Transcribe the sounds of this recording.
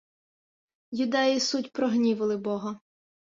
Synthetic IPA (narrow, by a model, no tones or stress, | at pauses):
jʊd̪ɛjisutʲpɾɔɦnʲiʋɪlˠɪbɔɦɔ